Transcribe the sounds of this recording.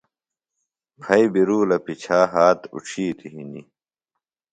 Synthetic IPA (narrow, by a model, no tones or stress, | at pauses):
pʰɐibiɾuːlɐpit͡ɕʰaːɦaːt̪ṵʈ͡ʂʰiːt̪ʰiɦinḭ